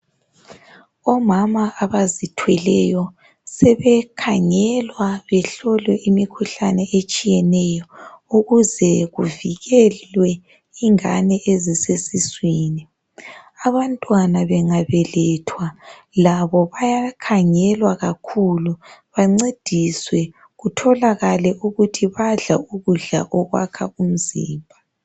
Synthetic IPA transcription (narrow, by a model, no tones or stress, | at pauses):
ɔmamaːβazitʰwɛlɛjɔ | sɛβɛkʰaŋɛlwaβɛɬɔlwɛʔimikʰuɬanɛʔet͡ʃʼijɛnɛjɔuɣuzɛɣuviɣɛlwɛ | iŋanɛʔezisesiswiːni | aβantʼwanaβɛŋaβɛlɛtʰwa | laβɔβajakʰaŋɛlwaɣakʰuluβaŋ͡ǀed̥ʱiswɛ | ɣutʰɔlaɣalɛʔuɣutʰiβaɮa̰uɣuɮa̰ʔɔɣwa̰kʰa̰um̩zḭːmbʱa